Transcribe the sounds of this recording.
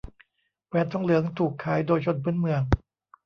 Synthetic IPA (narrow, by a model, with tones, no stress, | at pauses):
pɛː˧nt̪ʰɔ˥˩ŋlɯ˩˦əŋt̪ʰuː˨˩kʰːaː˩˦jdoː˧jt͡ɕʰo˧npʰɯː˦˥˨nmɯ˧əŋ